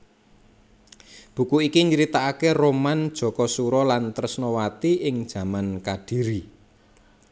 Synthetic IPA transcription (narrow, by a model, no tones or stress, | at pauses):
b̥ṳkuikiɲəɾit̪aːkeromand̥ʒ̥ɔ̤kɔsuɾɔlant̪ərsnɔwat̪iɪŋd̥ʒ̥ä̤mankaɖ̥i̤ɾi